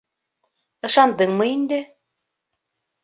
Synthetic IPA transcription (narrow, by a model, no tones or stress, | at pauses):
ɤ̆ʃɑnd̪ɤŋmɤind̪ɘ